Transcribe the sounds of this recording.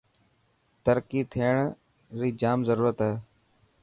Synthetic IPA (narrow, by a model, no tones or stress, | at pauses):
t̪əɾkiːt̪ʰijəɳ̃ | ɾiːd͡ʒaːmzəɾuːɾət̪ɦɛː